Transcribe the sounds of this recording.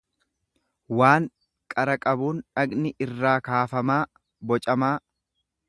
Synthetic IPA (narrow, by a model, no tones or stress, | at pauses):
waːŋ | kʼɐɾɐkʼɐbuːnᶑɐɡnɪʔɪrːaːkaːfɐmaː | bɔt͡ʃʼɐmaː